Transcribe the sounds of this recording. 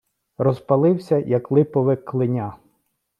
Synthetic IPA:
rɔzpɐlˠɪwsʲɐjɐklˠɪpɔʋɪkːlˠɪnʲa

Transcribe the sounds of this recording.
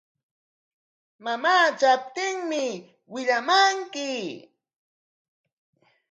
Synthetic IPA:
mamaːt͡ʃap̚t̪ɪŋmɪ | wɪʎamaŋkɪ

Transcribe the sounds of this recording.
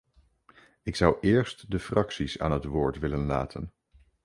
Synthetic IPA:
ɪksʌwʔɪːɹstdəfrɑksisa̰ːnɦətʋʊːɹtʋɪlənla̰ːtʰən

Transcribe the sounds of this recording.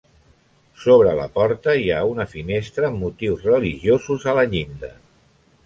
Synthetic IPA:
soβ̞ɾələ̰pɔɾt̪əiaunəfinest̪ɾəːmːut̪iwzrəliʒiozuzələʎind̪ə

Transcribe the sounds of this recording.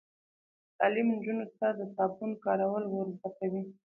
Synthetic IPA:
t̪ɑlimnd͡ʒunot̪ad̪əsɑbunkɑɾawəlwəɾzat̪awi

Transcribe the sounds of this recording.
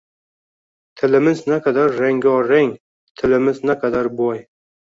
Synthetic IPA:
t̪ʰɪlɪmɪznaqʰad̪aɾːeŋɡʲɒɾːeŋ | t̪ʰɪlɪmɪznaqʰad̪aɾbɒj

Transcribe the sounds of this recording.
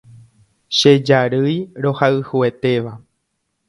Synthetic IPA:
ʃe̞d͡ʒaɾɨjɾo̞haɨhue̞t̪e̞ʋa

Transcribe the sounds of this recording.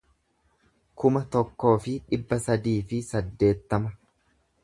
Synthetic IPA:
kʊmɐt̪ɔkːo̞ːfɪᶑɪbːɐsɐd̪iːfɪsɐd̪ːe̞ːt̪ːɐmɐ

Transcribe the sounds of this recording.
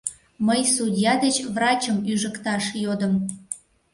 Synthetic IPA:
məjsudʲjɑd̪et͡ɕβrɑt͡ɕəmyʒəkt̪ɑʃjod̪əm

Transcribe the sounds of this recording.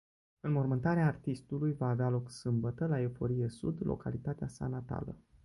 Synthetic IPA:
ɨnmo̞rmɨnt̪aɾeaːrt̪ist̪ulujvaːvealo̞ksɨmbət̪əlae̞fo̞ɾijesṵd̪lʔo̞̰kalit̪at̪easa̰nat̪a̰lə̰

